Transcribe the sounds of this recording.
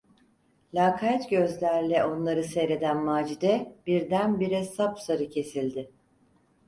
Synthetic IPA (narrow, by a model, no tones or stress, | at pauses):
lʲaːkʰaɛt̪ɟø̞zlʲæɾlʲɛo̞nlˠaɾɯsɛjɾe̞d̪ænmaːd͡ʒid̪ɛbiɾd̪ænbiɾesapsaɾɯcʰe̞silʲd̪ɪ